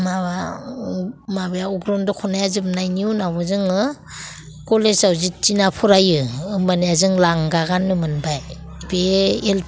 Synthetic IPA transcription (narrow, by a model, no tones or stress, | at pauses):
maβa | mabejauɡɾɔndɔkʰɔnajazɯp̚najniunabɔzɯŋɯ | kolezawzit͡ʃinapʰɔɾajɯɯmaniazɯŋlaŋɡaɡanːɯmɯnbaj | beːl